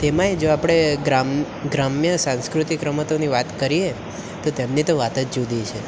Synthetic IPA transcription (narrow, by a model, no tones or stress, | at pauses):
t̪emãed͡ʒoapɽ̃eɡɾam | ɡɾamjəsãnskɾut̪ikɾəmət̪oniʋat̪kəɾie | t̪ot̪emnit̪oʋat̪ət̪d͡ʒud̪it͡ʃʰe